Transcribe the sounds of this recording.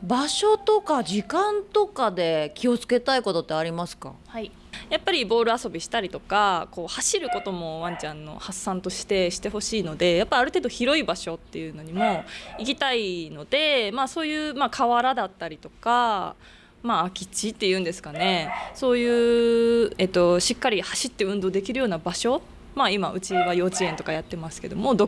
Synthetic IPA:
baɕo̞t̪o̞kad͡ʑikãnt̪o̞kad̪e̞kʲio̞t͡sɨ̥ke̞t̪aiko̞t̪o̞t̪ːe̞aɾʲimasɨ̥ka̰hai | japːaɾʲibo̞ːɾɯ̟aso̞bʲiɕi̥t̪aɾʲit̪o̞kako̞ːhaɕiɾɯ̟ko̞t̪o̞mo̞βãɲ̟t͡ɕãnːo̞̰hasːãnt̪o̞ɕi̥t̪e̞ɕi̥t̪e̞ho̞ɕiːno̞d̪e̞japːaiaɾɯ̟t̪e̞ːd̪o̞çiɾo̞ibaɕo̞t̪ːe̞jɯ̟ːno̞ɲ̟imo̞ik̬ʲit̪aino̞d̪e̞maːso̞ːjɯ̟ːmaːkʰaβaɾad̪at̪ːaɾʲit̪o̞ka | maːkʲi̥t͡ɕit̪ːe̞jɯ̟̃ːnd̪e̞sɨ̥kane̞so̞ːjɯ̟ː | e̞ːt̪ːo̞ɕikːaɾʲihaɕit̪ːe̞ɯ̟̃nd̪oːd̪e̞k̬ʲiɾɯ̟jo̞ːnabaɕo̞ | maimaʔɯ̟t͡ɕiβajo̞ːt͡ɕiẽ̞nt̪o̞kajat̪ːe̞masɨ̥ke̞d̪o̞̰mo̞d̪o̞

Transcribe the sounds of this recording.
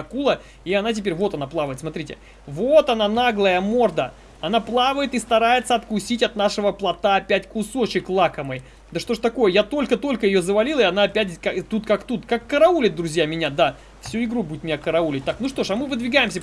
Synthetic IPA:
kulˠə | iɐnat̬ʲɪpʲeɾʲvo̞t̪ɐnaplˠavəjɪt̪smɐt̪ɾʲitʲɪ̰ | vot̪ɐnanaɡlˠəjəmo̞rd̪ə | ɐnaplˠavəjɪt̪ɨst̪ɐɾajɪt̪səɐt̪kʊsʲitʲɐt̪naʂɨvəplˠɐt̪aɐpʲætʲkʊso̞t͡ɕɪklˠakəmɨj | d̪əʂt̪o̞ʐt̪ɐko̞jəjat̪o̞lʲkət̪o̞lʲkəjɪjo̞zəvɐlʲilˠɪɐnaɐpʲætʲkat̪ut̪kakt̪ut̪kakːəɾɐulʲɪt̪̚d̪ɾʊzʲjamʲɪnʲad̪a | fsʲuɪɡɾubudʲɪt̪mʲɪnʲakəɾɐulʲɪt̚ʲt̪aknuʂt̪o̞ʂɐmɨvɨd̪vʲɪɡajɪmsʲə

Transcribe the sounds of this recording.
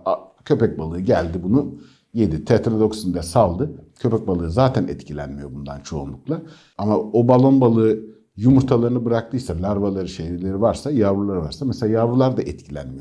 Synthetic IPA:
a | cʰø̞pɛc̚balˠɯːɯɟælʲd̪ibunu | jed̪it̪ʰet̪ɾod̪o̞ksind̪ɛsalˠd̪ɯcʰø̞pɛc̚balˠɯːzaːt̪ʰænɛ̰t̪cʰilʲænmijo̞bund̪a̰nt͡ʃʰo̞̰ṵnlˠuklˠa | amaobalˠo̞nbalˠɯː | jumuɾt̪ʰalˠaɾɯnɯbɯɾak̚t̪ʰɯjsalʲaɾvalˠaɾɯʃejɾilʲe̞ɾivaɾsajaːvulˠaɾɯva̰ɾsamɛselʲaːjaːvulˠaɾd̪aʔɛt̪cʰilʲænmijo

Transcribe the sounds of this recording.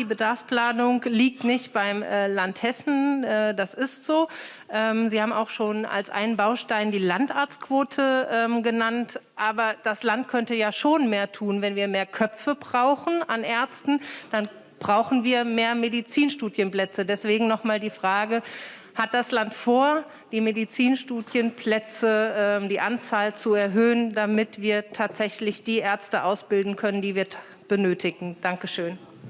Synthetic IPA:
d̥iːbədaɐfspl̥aːnʊŋliːk̚tnɪçtb̥aɪmɛːlanthɛsn̩ɛːdasɪstz̥oː | ʔɛːmziːhaːbm̩a̰ʊxʃoːna̰lsʔa̰ɪnənbaʊʃtaɪndiːlantʔaɐt͡stkʰv̥oːtʰəʔɛːmɡənantʔaːbɐd̥aslant̚kʰœntəjaːʃoːnmeːɐtʰuːnvɛnviːɐmeːɐkʰœpp͡fəbʁaʊxn̩anʔɛɐt͡stn̩d̥an | b̥ʁaʊxn̩viːɐmeːɐmedit͡siːnʃtuːdjənplɛt͡sədɛsv̥eːɡŋ̩nɔχmaːldiːfʁ̥aːɡə | hat̚d̥aslantfoːɐ | d̥iːmedit͡siːnʃtuːdjənpʰl̥ɛt͡səʔɛːmdiːʔant͡saːlt͡suɛɐɦøːəndamɪtv̥iːɐtʰaːtz̥ɛçlɪçd̥iːʔɛɐt͡stəʔaʊsb̥ɪldn̩kʰœnəndiːviːɐ | b̥ənøːtʰɪɡŋ̩d̥aŋkəʃøːn

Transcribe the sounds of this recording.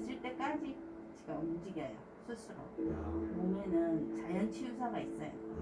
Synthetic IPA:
ɕʰiɭt͈e̞k͈ad͡ʑi | t͡ɕiɡamund͡ʑiɡɦejo | sʰus͈ʰɯɾo̰pomjʌnɯnt͡ɕajʌnt͡ɕʰijusʰaɡais͈ʌjo̰

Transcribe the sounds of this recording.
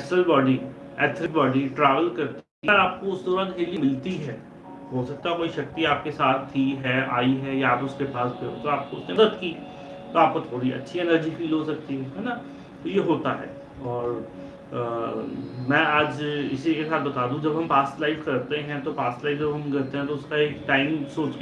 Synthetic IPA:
ɛsəlbɔːɖi | ɛːt̪ʰɾɪk̚bɔːɖiʈɾaːʋəlkɐɾt̪i | ɾaːp̚koʊsd̪oːɾɐ̃d̪ɦelimɪlt̪iɦɛː | ɦoːsɐk̚t̪aɦɛkoːiʃɐk̚t̪iaːp̚kesaːt̪ʰːiɦɛaːiɦɛjaːpʊskepaːspeɦot̪oaːp̚koʊsneɐd̪əd̪ki | t̪oaːp̚kot̪ʰoːɽiɐ̰tːʃʰienəɾd͡ʒifiːlɦosɐk̚t̪iɦɛɦɛna | t̪ojeɦoːt̪aɦɛ̰ː | ɔːɾ | mɛ̃ːaːd͡ʒɪ̰sikesaːt̪̚bɐt̪aːd̪ũd͡ʒɐbɦɐ̃mpaːsʈlaɪfkɐɾt̪eɦɛ̃t̪opaːsʈlaɪfd͡ʒɐbɦɐmkɐɾt̪eɦɛ̃t̪oʊskaeːkʈaːɪmsoːt͡ʃk

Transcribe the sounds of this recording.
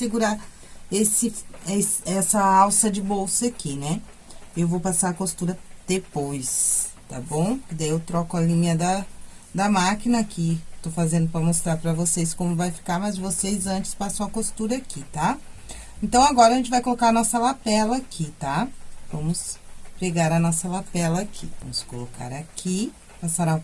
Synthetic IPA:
sɪɡuɾa | esɪesɛsɐawsɐd͡ʒɪbowsɐakinɛ | ewvowpasaɾɐkost̪uɾɐd̪̥epojst̪a̰bõw̃kɪd̪aiewt̪ɾɔkʊɐlĩmɐd̪ɐd̪ɐmakinɐːkit̪ofazẽnd̪ʊpɾɐmost̪ɾaɾpɾɐvoseskõmʊvajfi̥kaɾmɐzvosejzɐ̃nt͡ʃɪ̥spasɐ̃w̃ɐkost̪uɾɐakit̪a | ẽnt̪ɐ̃w̃aɡɔɾɐʒẽnt͡ʃɪvajkolokaɾɐnɔsɐlapɛlɐkʰit̪avɐ̃mʊspeɡaɾɐnɔsɐlapɛlɐakʰḭvɐ̰̃mʊskoloka̰ɾakʰi | pasaɾa

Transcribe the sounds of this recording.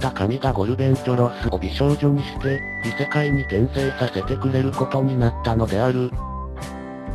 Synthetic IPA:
t̪akamʲiɡaɡo̞ɾɯ̟bẽ̞nt̪o̞ɾosɨobʲiɕo̞ːʑo̞ɲ̟iɕi̥t̪e̞ | mʲise̞kaiɲ̟iɡẽ̞ɰ̃se̞ːsase̞t̪e̞kɯ̟ɾe̞ɾɯ̟ko̞t̪o̞ɲ̟inat̪ːano̞d̪e̞aɾɯ̟

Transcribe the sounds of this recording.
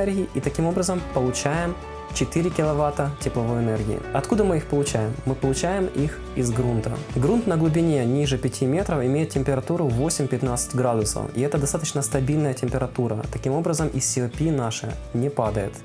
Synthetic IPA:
ɛrɡʲɪɪʔit̪ɐkʲimo̞bɾəzəmpəlˠʊt͡ɕæjɪm | t͡ɕɪt̪ɨɾʲɪkʲɪlˠɐvat̪ətʲɪplˠɐvojɛnɛrɡʲɪ̰ɪ̰ɐt̪kud̪əmɨixpəlˠʊt͡ɕæjɪmːɨpəlˠʊt͡ɕæjɪmix | ɪzɡɾunt̪ə̰ɡɾunt̪nəɡlˠʊbʲɪnʲenʲiʐɨpʲɪtʲimʲe̞t̪ɾəfɪmʲejɪt̪̚tʲɪmʲpʲɪɾɐt̪uɾʊvo̞sʲɪmʲpʲɪt̪nat̪sɨ̥tʲɡɾad̪ʊsə̰fiɛt̪əd̪ɐst̪at̪ət͡ɕnəst̪ɐbʲilʲnəjətʲɪmʲpʲɪɾɐt̪uɾə̰t̪ɐkʲimo̞bɾəzəmʔisʲːɪɐpʲinaʂɨ̰nʲɪpad̪əjɪ̰t̪

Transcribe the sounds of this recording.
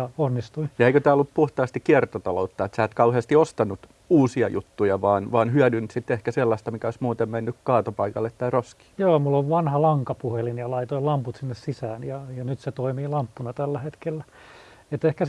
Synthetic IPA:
jɑonːist̪uijɑeikøt̪æːolːuppuht̪ɑːst̪ikiɛrt̪ot̪ɑlout̪ːɑet̪sæːt̪kɑuheɑst̪iost̪ɑnːut̪ | uːsiɑ̰jṵt̪ːujɑʋɑːnʋɑːnhyæˑdynt̪sit̪ːehkæselːɑst̪ɑmikæoismuːt̪emmenːykkɑːt̪opɑikɑlːet̪t̪ːæiroski̥ːjoːmulːoʋʋɑnhɑlɑŋkɑpuhelinjɑlɑit̪oilɑmput̪sinːessisæːnjɑjɑnyt̪set̪oimiːlɑmpːunɑt̪ælːæhet̪kelːæ | et̪ehkæ

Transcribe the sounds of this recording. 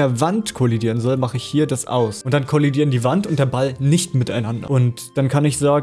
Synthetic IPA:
eːɐvantkʰolidiːʁ̞ənzɔlmaχəɪçhiːɐdasʔa̰ʊsʔʊntd̥ankʰolidiːɐəndiːvantʊnt̚d̥eːɐbalnɪçtmɪtaɪnandɐ̰ʔʊntd̥ankʰanɪçz̥aːɡ

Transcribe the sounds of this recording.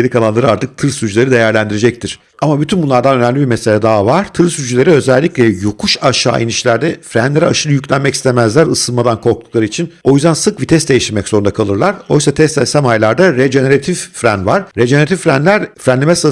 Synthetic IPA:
elʲikʰalˠanˠaɾɯaɾt̪ʰɯk̚t̪ʰɯɾsyd͡ʒylʲe̞ɾid̪e̞jæɾlʲænd̪iɾed͡ʒɛc̚t̪ʰiɾ̥ | amabyt̪ʰynbunˠaɾd̪anø̞næmlʲibiɾmese̞lʲɛd̪aːvaɾ̥t̪ʰɯɾsyd͡ʒylʲe̞ɾiø̞zælʲːiclʲɛjukʰuʃaʃa̰ːʔiniʃlʲæɾd̪ɛfɾænlʲe̞ɾaʃɯlˠɯjyclʲænmɛci̥st̪ʰemæzlʲæɾɯsɯlˠmad̪ankʰo̞ɾk̚t̪ʰu̥klˠaɾɯit͡ʃʰino̞jyzd̪ænsɯk̚bit̪ʰɛst̪d̪e̞jiʃt̪iɾmɛcso̞ɾund̪akʰalˠɯɾlˠaɾo̞jsat̪ʰɛst̪ɛsæmajlˠaɾd̪aɾed͡ʒeneɾat̪ʰifːɾænvaɾ̥ɾed͡ʒeeɾat̪ʰifːɾænlʲæɾfɾænlʲemɛsa

